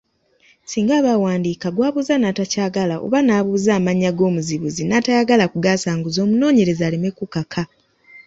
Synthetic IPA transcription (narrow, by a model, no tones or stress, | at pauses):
siːŋɡaːβawaːndiːkaɡwaːβuzanatacaːɡalao̰βanaːβuːzaːmaɲːaɡo̞ːmuziβuzinaːtajaɡalakuɡaːsaːŋɡuzo̞ːmuno̞ːɲe̞ɾe̞zaːlimekukakʰa